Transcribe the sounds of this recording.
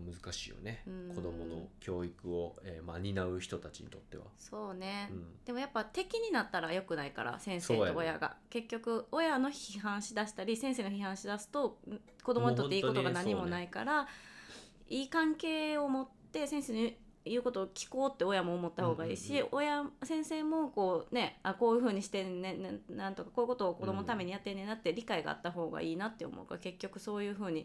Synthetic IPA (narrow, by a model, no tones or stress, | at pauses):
mɯ̟zɨkaɕḭːjo̰ne̞ɯ̟̃ko̞d̪o̞mono̰kʲo̞ːikɯ̟oeːma̰ɲ̟inaɯ̟çi̥t̪o̞t̪at͡ɕḭɲ̟ḭt̪o̞t̪ːe̞̰βa̰so̞ːnẽ̞d̪̥e̞mo̞japːat̪e̞kʲiɲ̟inat̪ːaɾajo̞kɯ̟naika̰ɾa̰sẽ̞ɰ̃seːt̪oojaɡa̰ke̞kʲːo̞kɯ̟o̞jano̞çiɦãɰ̃ɕid̪aɕi̥t̪aɾʲisẽɰ̃se̞ːno̞çiɦãɰ̃ɕid̪asɨ̥t̪o̞ | kod̪o̞moɲit̪ːiːkot̪o̞ɡanaɲ̟imo̞naika̰ɾa | iːkãŋke̞ːo̞mo̞t̪ːe̞sẽ̞ɰ̃seːɲi | jɯ̟ːko̞t̪oːkʲi̥ko̞ːt̪ːe̞o̞jamo̞ːmo̞t̪ːaho̞ːɡaḭːɕiojasẽ̞ɰ̃se̞ːmo̞ko̞ːne̞ako̞ːjɯ̟ɸɯ̟ːɲ̟iɕi̥t̪enenːnãnt̪o̞kḁko̞ːjɯ̟ko̞t̪o̞ːko̞d̪o̞mo̞not̪ame̞ɲ̟ijat̪ːenːẽ̞nat̪ːeɾʲikaiɡa̰a̰t̪ːaɦo̞ːɡa̰ʔiːnat̪ːe̞o̰mʔo̰ka̰ke̞kʲːo̞kɯ̟so̞ːjɯ̟ːɸɯ̟ːɲ̟i